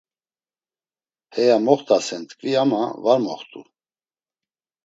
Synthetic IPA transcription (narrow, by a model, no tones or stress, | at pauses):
hɛjamɔχt̪ʰʼasɛnt̪ʰʼkʼviama̰vaɾmɔχt̪ʼṵ